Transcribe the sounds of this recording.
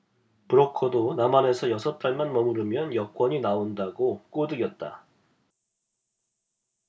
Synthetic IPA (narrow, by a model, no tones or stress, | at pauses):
puɾʌkʰodonamane̞sʰʌjʌsʰʌt̚t͈aɭmanmʌmuɾɯmjʌnjʌk͈wʌɲinaondaɡok͈odɯɡjʌt̚t͈a̰